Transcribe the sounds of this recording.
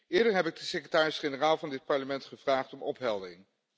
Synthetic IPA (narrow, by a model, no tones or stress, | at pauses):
ɪːɹdəɹɦɛpɪɡ̚dəsekrətaːrɪsχenəraːlˠvɑndɪt̚pɑɹləmɛntχəv̥raːχtɔmɔpɦɛlˠdərɪŋ